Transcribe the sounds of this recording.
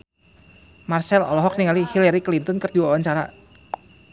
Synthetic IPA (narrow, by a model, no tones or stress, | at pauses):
marsɛlɔ̰lɔɦɔk̚niŋalihilaɾiklint̪ɔnkərd̪iwawanɲt͡ʃaɾa